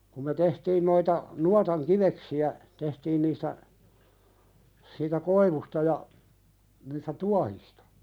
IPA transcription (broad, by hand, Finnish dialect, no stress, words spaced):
kum me tehtiːn noitɑ nuɑtɑŋ kiʋeksiæ tehtiːn niːstæ siːtæ koiʋustɑ jɑ niːstæ tuɑhistɑ̥